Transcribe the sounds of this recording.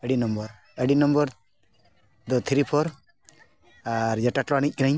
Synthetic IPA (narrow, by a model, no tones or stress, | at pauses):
əɽinɔmbɔɾ | eɖinɔmbɔɾ | d̪ɔt̪ʰɾipʰɔɾ | aɾd͡ʒɛʈaʈlɔaɽ̃ic̚ˀkinaɲ